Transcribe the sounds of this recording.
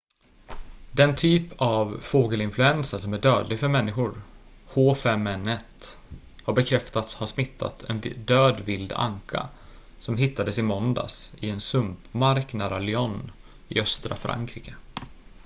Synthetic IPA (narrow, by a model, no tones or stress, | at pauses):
d̪ɛnt̪ʰyːpʰavfoːɡəlɪnflɵɛnsəʂɔmæɖøːd̪lɪɡfœɾmɛnːɪɧʊɾ | hoːfɛmːɛnɛt̪ | haɾbɛkʰɾɛft̪at̪shaʂmɪt̪ʰːa̰t̪ʰɛ̰nd̪øːd̪vɪld̪a̰ŋkʰa̰ | sɔmɦɪt̪ːad̪əsɪmɔnd̪a̰sɪɛnsɵmpmaɾknæːɾalɪɔnː | ɪœst̪ɾa̰fɾa̰ŋkʰɾiːkə